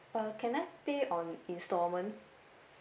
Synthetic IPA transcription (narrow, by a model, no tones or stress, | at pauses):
əkʰɛ̃naɪpeʔɔ̃nĩnstɔmə̃n